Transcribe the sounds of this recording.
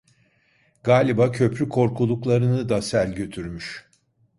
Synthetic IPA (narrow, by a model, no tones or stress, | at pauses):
ɡaːlʲibacʰø̞pɾykʰo̞ɾkʰulˠuklˠaɾɯnɯd̪asælʲɟø̞t̪ʰyɾmyʃ